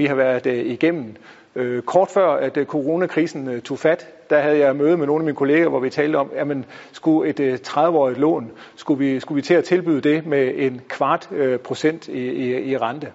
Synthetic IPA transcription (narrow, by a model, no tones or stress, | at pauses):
ʋihɑ̈ʋæɐðd̥iɡ̥em̰n̩ | kʰɒːd̥fɶɐ̰æd̥kʰo̝ʁo̝nækʰʁiːsn̩t͡sʰo̝̰fæd̥d̥æhæð̞̩ˠjɑ̈ɪmøːð̩ˠmeno̝ːn̩æminkʰo̝le̝ːɡ̥æʋɒʋit͡sʰɛːldəɒ̽mjæmənsɡ̥ue̝d̥t͡sʰʁað̞ˠʋəɒ̰ːið̥ˠlɔ̰̽ːn | sɡ̥uʋisɡ̥uʋit͡sʰe̝æt͡sʰe̝lb̥y̰ð̰ˠd̥e̝mee̝nkʰʋɑ̈ːd̥pʰʁo̝sen̰d̥iiʁɑ̈nd̥ə